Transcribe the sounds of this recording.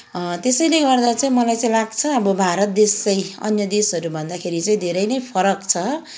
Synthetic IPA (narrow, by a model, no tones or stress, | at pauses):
t̪esʌjleɡʌrd̪at͡saĩmʌlajt͡sãĩlaɡt͡sʰʌːbʌbʱaɾʌt̪̚d̪est͡sʌjʌ̰njʌd̪esʌɾubʱʌnd̪akʰeɾit͡saĩd̪ʱeɾʌjnʌjpʰʌɾʌkt͡sʰʌ